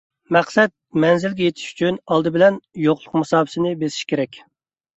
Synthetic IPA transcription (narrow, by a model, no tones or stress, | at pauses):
mɛχsɛt̪̚mɛnzɪlɡʲɛjet̪ʰi̥ʃy̥t͡ʃʰynɑlˠd̪ɨbɪlɛnjoqlˠʊqmɑsɑːbɪsɪnɪbesi̥ʃkʲʰeɾɛkʲ